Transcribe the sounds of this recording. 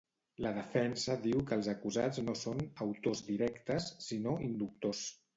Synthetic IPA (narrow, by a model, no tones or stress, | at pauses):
ləð̞əfɛnsəðiwkəːlˠzəkuzad͡znosonəwt̪ozd̪iɾɛkt̪əsːinoind̪uk̚t̪os